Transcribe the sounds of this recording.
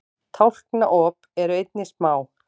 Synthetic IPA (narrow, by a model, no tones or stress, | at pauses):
t̪ʰawl̥knaʔɔːpɛɾʏejt̪nɪsmaːw